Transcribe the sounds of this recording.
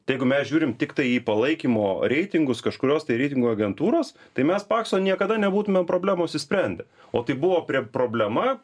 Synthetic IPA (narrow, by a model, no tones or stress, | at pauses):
jɛɪɡʊmʲɛsʒʲuːɾʲɪmt̪ʲɪkt̪ɐɪiːpɐlˠɐɪkʲimoːɾʲɛɪt̪ʲɪŋɡʊskɐʃkʊɾʲoːst̪ɐɪɾʲɛɪt̪ʲɪŋɡuɐɡʲɛnt̪uːɾoːs | t̪ɐɪmʲɛspɑːksoːnʲiɛkɐd̪ɐnʲɛbuːt̪ʊmʲɛmpɾoːbʲlʲæːmoːɐʃʲsʲɪsʲpʲɾʲɛnʲd̪ʲɛ | oːt̪ɐɪbʊʋoːpʲɾʲiɛpɾoːbʲlʲɛmɐ